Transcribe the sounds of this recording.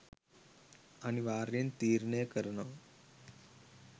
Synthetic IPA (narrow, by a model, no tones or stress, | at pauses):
añiʋaːɾint̪iːɾnəjəkəɾɳaʋ